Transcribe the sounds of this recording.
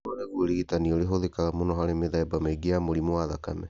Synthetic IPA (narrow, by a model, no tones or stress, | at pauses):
oɾeɣuɾiitanioɾeɦoðekaɣamonɔɦaɾemeðaebameɡeamoɾimoaðakamɛ